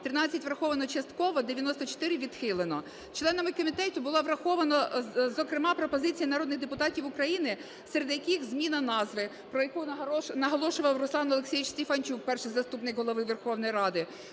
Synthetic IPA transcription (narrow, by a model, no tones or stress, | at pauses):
t̪ɾɪnɑt͡sʲːɐtʲʋɾɐxɔʋɐnɔt͡ʃɐst̪kɔʋɔd̪eʋʲjɐnɔst̪ɔt͡ʃɔ̥t̪ɪɾɪʋʲid̪̥xɪlˠenɔ | t͡ʃlˠɛnɐmɪkɔmʲit̪ɛtʲʊbʊlˠɔʋɾɐxɔʋɐnɔzɔkɾɪmɑpɾɔpɔzɪt͡sʲijɐnɐɾɔd̪nɪɣd̪epʊt̪ɑtʲiwʊkɾɐjinɪ | seɾed̪jɐkixzmʲinɐnɑzʋɪ | pɾɔjɐkunɐɦɔlˠɔʃʊʋɐwrʊslˠɑnɔlˠeksʲijut͡ʃsʲtʲefɐnʲt͡ʃuk̚pɛrʃɪjzɐst̪upnɪkɦɔlˠɔʋɪʋerxɔwnɔjɾɑd̪ɪ